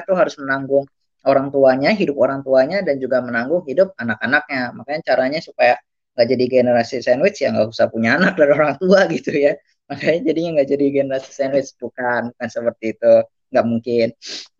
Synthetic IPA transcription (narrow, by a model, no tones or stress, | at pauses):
t̪uɦaɾʊsmənaŋɡʊŋ | oɾaŋt̪uaɲaɦidʊpoɾaŋt̪uaɲadand͡ʒuɡamənaŋɡʊŋɦidʊp̚anakanak̚ɲamakaɲat͡ʃaɾaɲasupaja | ŋɡaʔd͡ʒadiɡenəɾasisanwɪt͡ʃjaŋɡa̰ʔusahpuɲaːnak̚daɾioɾaŋt̪uaɡit̪uja | makajad͡ʒadiɲaŋɡaʔd͡ʒadiɡenəɾasi̥sɛnwɪsbukanbukansəpərt̪iːt̪u | ŋɡaʔmuŋkɪn